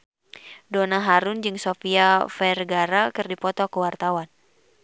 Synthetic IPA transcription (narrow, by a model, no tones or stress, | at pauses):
donaɦaɾʊnd͡ʒɨŋsofiafɛrɡaɾakɨrdipɔt̪ɔkəwart̪awan